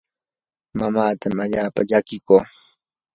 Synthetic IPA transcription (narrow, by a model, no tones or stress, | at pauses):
mamaːt̪amaʎaːpa̰ʎakɪkoː